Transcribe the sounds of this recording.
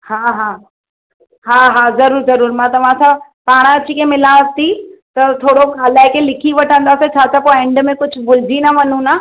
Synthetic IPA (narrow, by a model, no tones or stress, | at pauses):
haːɦaː | ɦaːɦaːzɐɾuːɾzɐɾuːɾmãt̪ɐʋ̤ãsãpaːɽ̃ɐt͡ɕikẽmɪlaːt̪it̪ɐt̪ʰoːɽokaːlaːɪkʰelɪkʰiʋɐʈʰə̃nd̪aːset͡ɕʰaːt͡ɕʰapoẽːɳɖmẽkʊd͡ʑʱʊ̆bʊld͡ʑinɐʋɐn̤ũnaː